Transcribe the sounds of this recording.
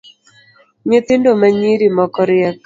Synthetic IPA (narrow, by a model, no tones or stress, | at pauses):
ɲɪt̪ɪndomaɲiɾimɔkɔɾɪɛk